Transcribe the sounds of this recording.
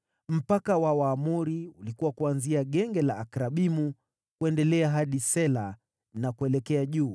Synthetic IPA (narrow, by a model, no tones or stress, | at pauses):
m̩pakawawaːmuɾiulikuwakuanziaɠɛŋɡɛlaːkɾaɓimu | kuɛndɛlɛaɦaɗisɛla | nakuɛlɛkɛaʄuː